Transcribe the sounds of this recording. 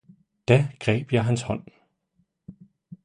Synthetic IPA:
d̥æɡ̥ʁɛ̰ːb̥jɑ̈ɪɦænshɒ̽n̰

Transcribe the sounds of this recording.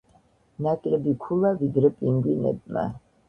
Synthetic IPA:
nakʼlɛbikʰulavid̪ɾɛpʼiŋɡinɛ̰b̪̚ma̰

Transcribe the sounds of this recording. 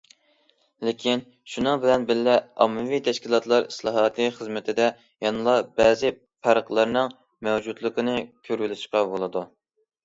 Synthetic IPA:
lɪkʲʰin | ʃunɨŋbɪlɛnbɪlːɛɑ̰mːɨvit̪ʰɛʃkʲilˠɑt̪ʰlˠɑɾislˠɑɦɑːt̪ʰɨχəzmɪt̪ʰɪd̪ɛ | jɑnɨlˠɑbɛːzɪ | pʰæɾqlˠɑɾnɨŋ | mɛwd͡ʒud̪lˠəqənɨkʲʰøɾɪlɪʃqɑbolˠɨd̪u

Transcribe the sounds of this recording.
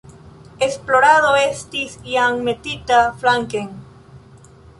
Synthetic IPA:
esploɾaðoest̪isiaŋmet̪it̪aflaŋkeŋ

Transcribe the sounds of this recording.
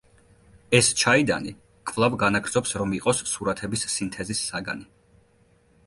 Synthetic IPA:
ɛst͡ʃʰaid̪a̰ni | kʼvlˠavɡanaɡɾd̪zɔpsɾɔmiqʼɔsːuɾat̪ʰɛbisːint̪ʰɛzisːaɡa̰ni

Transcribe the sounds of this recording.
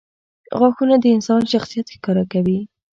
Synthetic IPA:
ɣwɑxunad̪əɪnsɑnʃaxsijat̪xkɑɾakawi

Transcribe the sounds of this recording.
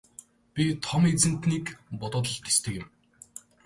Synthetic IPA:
pʲit̪ʰɔmet͡sɘ̆n̥t̪niːkpʊt̪ʊːt̪ə̆ɬt̪e̥st̪ʰɘ̆kɪ̆m

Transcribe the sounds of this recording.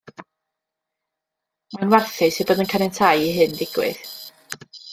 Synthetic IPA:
manwɛrθɨsebəðənkʰanɛntʰajiɦɨndɪɡ̥wɨ̰ð

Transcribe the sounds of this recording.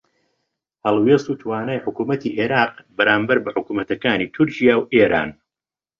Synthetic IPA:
hɐlˠwɛst̪uːt̪ʰwaːnaːjħʊkuːmɐt̪ʰiːʔeːɾaːqbɐɾaːmbɐɾbɐħʊkuːmɐt̪ɐkaːniːt̪ʰʊɾcijaːwʔeːɾʔa̰ːn

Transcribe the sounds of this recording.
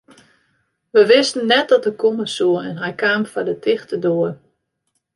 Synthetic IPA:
ʋəʋɪstən̩ːɛt̚dɔt̚dəkoməsuəɛnɦɛjkaːmfadətʰɪxtədoər

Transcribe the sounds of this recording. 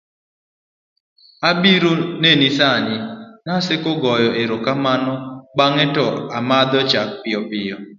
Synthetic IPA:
abiɾonenisaɲɪnasɪkoɡɔjɔʔeɾokamanɔbaŋɪtɔamad̪ɔt͡ʃak̚pɪɔpɪjɔ

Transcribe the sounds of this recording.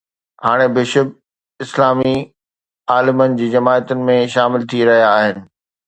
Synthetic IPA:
haːɽ̃ebɪʃʊb̚ | ɪslaːmi | aːlɪmənɪ̆d͡ʑiːd͡ʑɐmaːət̪ʊnɪ̆mẽʃaːmɪlt̪ʰiɾɐɦijaːɦɪnɪ̆

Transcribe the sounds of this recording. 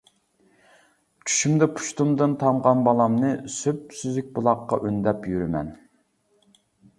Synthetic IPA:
t͡ʃʰy̥ʃymd̪ɛpʰu̥ʃt̪umd̪ɨnt̪ʰɑɴʁɑnbɑlˠɑmnɨsøp̚syzyk̚ʲbulˠɑqːɑ̰ʔønd̪ɛpjyɾymɛ̰n

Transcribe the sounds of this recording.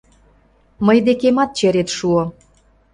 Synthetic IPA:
məjd̪ekemɑt̪̚t͡ɕeɾet̪ʃuo

